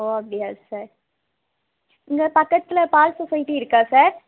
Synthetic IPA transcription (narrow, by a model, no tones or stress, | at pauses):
oːɐpɽɪjaːsɐːɾ | ɪŋɡɐpɐkːɐt̪ːɪlɐpaːlsɔsɐjʈːiɪɾɯkːaːsaːɾ